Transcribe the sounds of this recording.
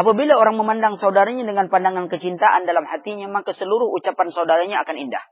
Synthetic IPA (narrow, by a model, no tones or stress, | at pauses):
ʔapabilaoɾaŋməmandaŋsaudaɾaɲadəŋanpandaŋankət͡ʃint̪aʔandalamhat̪iɲamakasəluɾʊɦut͡ʃapansaudaɾaɲaːkaninda̰h